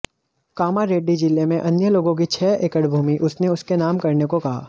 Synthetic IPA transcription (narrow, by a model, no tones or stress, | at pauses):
kaːmaɾeːɖid͡ʒɪlːemẽʔɐnjəloːɡõk̬it͡ʃʰɛːeːkəɽbʱuːmiʔʊsneʊskenaːmkɐɾnekokɐɦa̰ː